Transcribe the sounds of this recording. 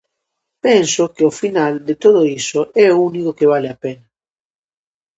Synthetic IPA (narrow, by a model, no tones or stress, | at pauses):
pensokeofinald̪et̪oðoisoʔɛounikokeβ̞aleapena